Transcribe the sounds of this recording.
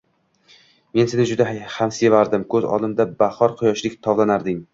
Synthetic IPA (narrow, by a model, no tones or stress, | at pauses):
me̞nsenɪd͡ʒʊd̪ahamse̞vaɾd̪ɪmkʰɵzɒ̰lˠɪmd̪abahɒɾqʰʊjɒʃlɪkʲt̪ʰɒvlˠanaɾd̪ɪŋ